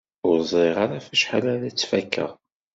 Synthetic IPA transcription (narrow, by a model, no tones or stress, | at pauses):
ʊɾzˤeʁaɾafæʃħalæɾæt͡sːfækʰːə̰ʁ